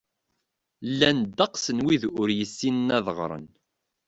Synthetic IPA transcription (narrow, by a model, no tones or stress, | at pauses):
lːænd̪ːɑqsənwiðʊɾjəsːinənæðəʁɾˤə̰n